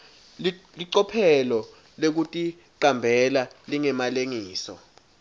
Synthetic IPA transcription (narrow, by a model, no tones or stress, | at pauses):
liǀɔpʰɛlɔ | lek̬utʼi | ǃambʱɛlaliŋɛmaleŋiːsɔ̰